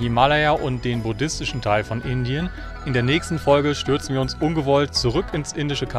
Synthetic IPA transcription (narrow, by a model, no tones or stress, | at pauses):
dimalajaʔʊnt̚d̥eːnbʊdɪstɪʃn̩tʰaɪlfɔnʔɪndiən | ʔɪndeːɐnɛːçstn̩fɔlɡəʃtʏɐt͡sn̩viːɐʊnsʔʊnɡəvɔltt͡suʁ̞ʏkɪnsʔɪndɪʃəkʰa